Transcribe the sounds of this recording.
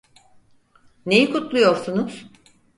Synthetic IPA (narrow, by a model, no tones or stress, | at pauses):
ne̞jikʰut̪lˠujo̞ɾsunuz̥